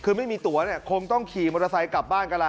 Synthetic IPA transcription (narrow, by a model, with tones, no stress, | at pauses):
kʰɯː˧ma˥˩jmiː˧t̪u˨˩˦ɐni˥˩ɐkʰo˧ŋt̪ɔ˥˩ŋkʰiː˨˩mo˧ɾa˧sa˨˦jka˨˩p̚baː˥˩nka˧la˧